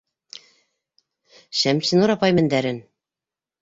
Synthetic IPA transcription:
ɕæmɕɘnuɾɑpɑjmæ̆nd̪æɾɘn

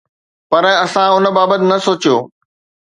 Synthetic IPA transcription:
pɐɾɐsãʊnə̆baːbət̪ɪ̆nɐsoːt͡ɕijoː

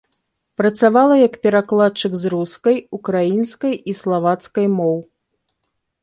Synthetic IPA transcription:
pɾɐt̪savalˠɐjɐkpʲɛɾaklˠat̪̚t͡ʂɨkzruskɐjukɾajinskɐjislˠavat̪skɐjmɔw

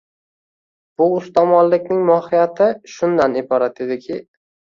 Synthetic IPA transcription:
b̥ʊʊst̪ʰɒmɒnlɪkʲnɪŋmɒhɪjat̪ʰɪʃʊnd̪anɪbɒɾat̪ed̪ɪkʲʰɪ

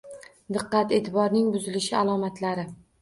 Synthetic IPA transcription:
d̪ɨqːɑt̪e̞ːt̪ʰɪbɒɾnɪŋbʊzɪlɪʃɪalˠɒmat̪ʰlaɾɪ

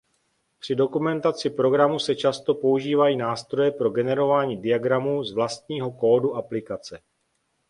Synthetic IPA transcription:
pr̥ɪdo̞kumɛnt̪at͡sɪpɾo̞ɡɾamusɛt͡ʃast̪o̞po̞uʒiːvajiːnaːst̪ɾo̞jɛpɾo̞ɡɛnɛɾo̞vaːɲiːdɪaɡɾamuːzvlast̪̚ɲiːɦo̞ko̞ːduʔaplɪkat͡sɛ

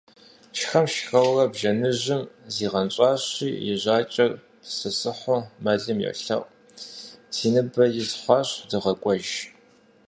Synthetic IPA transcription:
t͡ʃʰxɐmʃxɐwrɐbʒɐnɨʑɪmziːʁɐnɕʷʼɑːɕiːjɪʑʷɑːt͡ʃʼɐr | psɨsɨħʷʊmɐɮɨmjɛ̰ɬɐ̰ʔʷʼ | siːnɨbɐjɪzħʷɑːɕdɨʁɐkʷʼɔʒ

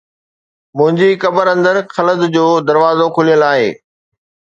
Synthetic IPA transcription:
mʊ̃ɦɪ̃ɲd͡ʑikɐbəɾɐ̃nd̪əɾxɐləd̪d͡ʑoːd̪ɐɾʋaːzokʰʊlijəlaːɦḛː

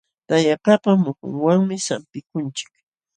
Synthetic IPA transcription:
t̪ajapapamʊkʊ̰ŋwaŋmɪsampɪkʊnt͡ʃɪ̥k

